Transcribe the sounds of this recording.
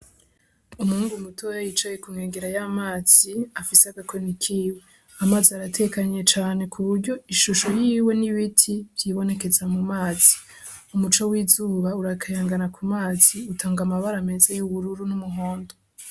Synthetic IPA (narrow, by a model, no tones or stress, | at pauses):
umuːŋɡumutʰojajit͡ʃajekumŋeːŋɡeɾajamaːz̥iafiseaɡakwenikʰiːwe̞ | amaːziaɾatʰe̞kaɲe̞t͡ʃaːne̞kʰuβuɾɟo̞iʃuʃo̞jiːwe̞niβitʰiβ̥jiːβo̞ne̞ke̞zamumaːz̥i | umut͡ʃowiːzuːβauɾakʰajaːŋɡanakʰumaːz̥iutʰaːŋɡamaβaɾame̞zajuβuɾuɾunumuɦoːndo